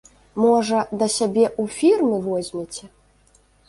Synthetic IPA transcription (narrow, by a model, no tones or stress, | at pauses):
mɔʐɐd̪ɐsʲabʲɛʔufʲirmɨvɔzʲmʲɛt͡sʲɛ